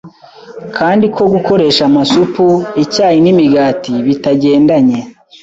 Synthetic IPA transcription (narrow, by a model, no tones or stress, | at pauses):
kʰaːndikʰo̞ɡuko̞ɾe̞ːʃamasupuicaːjinimiɡaːtiβitaɟe̞ːndaɲe̞